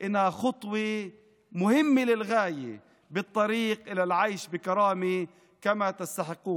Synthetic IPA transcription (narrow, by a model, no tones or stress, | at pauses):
ʔɪnːhaxɑt̪ˤwe | mʊhɪmːɪlɪlɣaːjḛ | bɨt̪ˤːɑɾiːqʔɪlalʕajʃbɪkɑɾˤɑːmi | kamat̪ɪst̪aħɪqːuːn